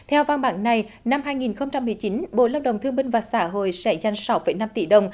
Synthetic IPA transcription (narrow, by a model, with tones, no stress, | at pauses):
t̪ʰɛ˧wva˧nɓa̰ː˧˥ŋna˨˩j | na˧mɦaː˧jŋi˨˩nxə˧wŋ͡mt͡ɕa˧mːɨ˨˩əjt͡ɕi˨˦nɓo̰˧˨laː˧wɗə̰˨˩wŋ͡mt̪ʰɨ˧əŋɓï˧ŋ̟vaː˨˩saː˧˩ɦo̰˧˨jsɛ̰˧˥za˧jŋ̟sa˨˦wfə̰˧˩jna˧mt̪ḭ˧˩ɗə˨˩wŋ͡m